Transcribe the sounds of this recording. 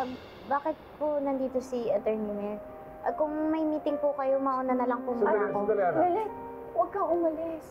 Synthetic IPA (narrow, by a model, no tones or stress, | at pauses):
baːkɪt̪̚ponɐnd̪iːt̪o̞siɐt̪ɛɹnɪmɛɹ | ʔɐkʊŋmɐjmiːt̪ɪŋpʊkɐjomɐʔonanɐlɐŋpʊŋmaakoɐɡɐlɛt̪̚ | wɐɡ̚kaʔʊmɐlɪs